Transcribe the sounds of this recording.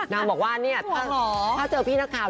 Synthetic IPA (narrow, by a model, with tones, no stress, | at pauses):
naː˧˩ŋbɔː˨˩k̚waː˥˩ni˥˩ɐt̪ʰaː˥˩ɔː˩˦aː˥˩t͡ɕɤː˧pʰiː˥˩naː˦˥˩kʰaː˨˩